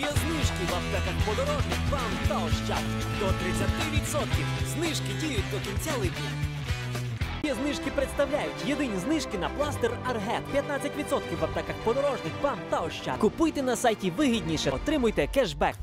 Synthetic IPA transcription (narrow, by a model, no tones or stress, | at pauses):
ɛznɪʃkɪʋɐpt̪ɛkɐxpɔd̪ɔɾɔʒnɪxʋamt̪ɐɔʃt͡ʃat̪ | d̪ɔt̪ɾɪt͡sʲːɐt̪ɪʋʲid̪sɔt̪kʲiwznɪʃkɪdʲijʊt̚ʲd̪ɔkinʲt͡sʲalˠɪkʲi | tʲiznɪʃkɪpɾet̪st̪ɐwlʲajʊtʲjed̪ɪnʲiznɪʃkɪnɐplˠɑst̪erɐrɦɛpʲjɐt̪nat͡sʲːɐtʲʋʲit̪sɔt̪̚kʲiwʋɐpt̪ɛkɐxpɔd̪ɔɾɔʒnɪxʋamt̪ɐɔʃt͡ʃa̰kʊpʊjt̪ɛnɐsajtʲiʋɪɦʲidʲnʲiʃɛɔt̪ɾɪmʊjt̪ɛkɛʒbɛk